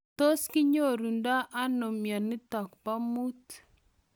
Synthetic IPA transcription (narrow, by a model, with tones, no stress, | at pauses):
t̪o˦skɪ˦ɲo˦˨ɾu˨nda˦ʔa˦no˨mja˨nɪ˦t̪ɔ˨kpa˦mu˦t̪